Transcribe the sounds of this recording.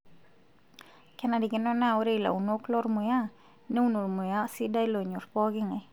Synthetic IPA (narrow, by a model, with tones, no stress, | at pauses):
kɛ˦na˨di˨kɪ˦nɔ˦na˦o˦ɾe˦i˨la̰˨u˨no˦klo˦rmo˨ja˦ | nɛ˦u˦no˨rmo˨ja˦si˦da˦jlo˨ɲo˨ɾpɔ˦ɡɪ˦ŋa˨